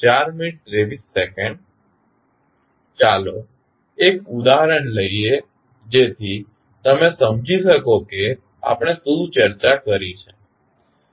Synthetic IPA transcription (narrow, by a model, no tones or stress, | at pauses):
t͡ʃaɾminiʈ̚t̪ɾeʋisːɛkɛ̃ɳɖ | t͡ʃalo | ekud̪aɦɾəɳləie | d͡ʒet̪ʰi | t̪əmesəmd͡ʒʱiʃəkoke | a̰pɽ̃esut͡ʃəɾt͡ʃakəɾit͡ʃʰe